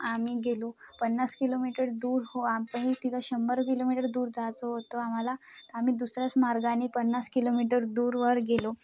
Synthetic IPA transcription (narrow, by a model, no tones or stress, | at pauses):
am̤iːɡelopənːaskilomiʈəɾd̪uːɾɦoapəɳ̃it̪it̪ʰəɕəmbəɾkilomiʈəɾd̪uːɾd͡zat͡soɦot̪oam̤alat̪əam̤iːd̪usɾjat͡smaɾɡanːipənːaskilomiʈ̬əɾd̪uːɾʋəɾɡelo